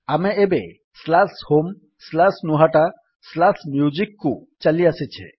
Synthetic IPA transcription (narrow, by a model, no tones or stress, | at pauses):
ameebe | slashom | slasnuɦaʈa | slasmjud͡ʒikːut͡ʃaliaset͡ʃʰḛ